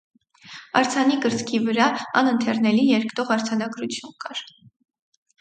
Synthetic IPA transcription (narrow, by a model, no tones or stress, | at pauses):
ɑ̰ɾt͡sʰɑnikəɾt͡skʰivəɾɑɑ̰nənt̪ʰɛɾnɛlijɛɾkʰt̪ɔʁɑɾt͡sʰɑnɑɡɾut͡sʰjunkɑɾ